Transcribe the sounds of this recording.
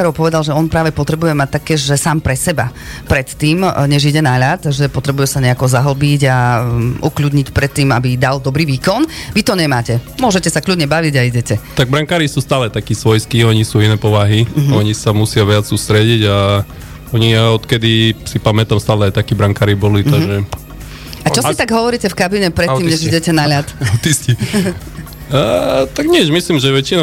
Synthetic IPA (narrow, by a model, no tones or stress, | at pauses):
kaɾɔʊpɔʋɛd̪alʒɛɔnpɾaːʋɛpɔt̪ɾɛbujɛmac̚t̪akːɛːʒʒɛsaːmpɾɛsɛbapɾɛt̪ːiːmɲɛʒiɟɛnaʎat̪ʒɛpɔt̪ɾɛbujɛsaɲɛakɔzaɦl̩biɟaʔukʎud̪ɲicpɾɛt̪ːiːmabid̪ald̪ɔbɾiːʋiːkɔnʋit̪ɔɲɛmaːcɛmʊɔʒɛcɛsakʎud̪ɲɛbaʋiɟaiɟɛcɛt̪aɡ̚bɾaŋkaːɾisuːst̪aːlɛt̪akiːsʋɔjskiːɔɲisuːinɛːpɔʋaɦiɔɲisamusɪaʋɪat͡ssuːst̪ɾɛɟiɟa | ɔɲiɔt̪kɛd̪isipamɛt̪amst̪aːlɛajt̪akiːbɾaŋkaːɾibɔlit̪aʒɛ | at͡ʃɔsit̪aɡɦɔʋɔɾiːcɛfkabiɲɛpɾɛtt̪ːiːmɲɛʒiɟɛcɛnaʎat̪at̪isci | t̪aɡɲɪɛʒmislimʒɛʋɛt͡ʃinɔ